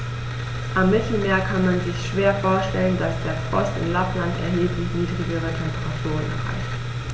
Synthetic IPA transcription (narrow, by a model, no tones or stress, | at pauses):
ʔamːɪtʰl̩meːɐkʰanmanzɪçʃv̥eːɐfoːɐʃtɛləndasd̥eːɐfʁ̥ɔ̰stɪ̰nlaplantɛ̰ɐɦeːplɪçniːdʁiɡəʁ̞ətʰɛmpəʁatʰuːʁ̞ənʔɛ̰ɐʁa̰ɪçt